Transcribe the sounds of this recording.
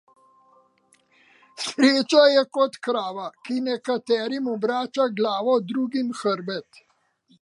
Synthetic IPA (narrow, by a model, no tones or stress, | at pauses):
sɾeːt͡ʃajɛkɔt̪kɾaːʋakinɛkat̪ɛːɾimɔbɾaːt͡ʃaɡlaːʋɔd̪ɾuːɡimxəɾbɛt̪